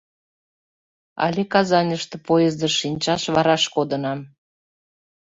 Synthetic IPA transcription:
ɑ̰lʲekɑzɑnʲəʃt̪ɤ̆pojezd̪əʃinʲt͡ɕɑʃβɑɾɑʃkod̪ə̆nɑm

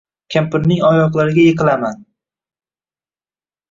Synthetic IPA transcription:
kʲʰampɪnːɪŋɒjɒqlˠaɾɪɡʲajeqɨlaman

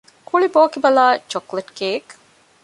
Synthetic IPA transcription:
kʰuɭiboːkibɐlaːt͡ʃokleʈɡeːek

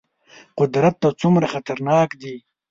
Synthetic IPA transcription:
qʊd̪ɾat̪ːat͡sumɾaxat̪aɾnɑːkd̪i

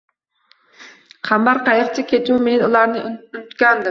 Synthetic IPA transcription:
χɑmbɑɾqɑjɾt͡ʃʰɛkʲʰet̪ʰumenulˠɑɾnɨynyt̪kʲɑnd̪ɨm

